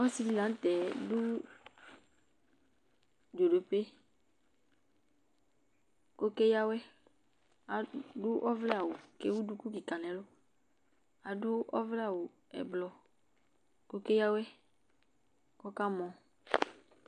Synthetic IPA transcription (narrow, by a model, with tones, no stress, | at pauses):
ɔ˦si˦li˦la˨˦n̩˦t̪ɛ˨du˦ | do˨ɖo˨pe˦ | ko˦ke˦ja˦wɛ˦ | a˨du˦ʔɔ˦vlɛ˦a˨wo˨ke˦wu˦du˦ku˦ki˨ka˨lɛ̃˨lo˦ | a˨du˦ʔɔ˦vlɛ˦a˨wo˨ | ɛ̰˨blɔ˨ | ko˦ke˦ja˦wɛ˦ | kɔ˦ka˦mɔ̃˨